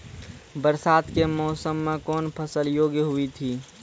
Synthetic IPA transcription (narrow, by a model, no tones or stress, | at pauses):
bəɾsaːd̪kemɔːsəmːẽkɔːnpʰəsəljoːɡjəɦuit̪ʰiː